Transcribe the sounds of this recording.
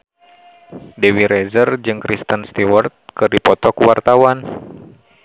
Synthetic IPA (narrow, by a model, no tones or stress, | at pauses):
dɛwiɾɛzərd͡ʒɨŋkɾist̪ənst̪iwərt̪̚kɨrdipɔt̪ɔkuwart̪awan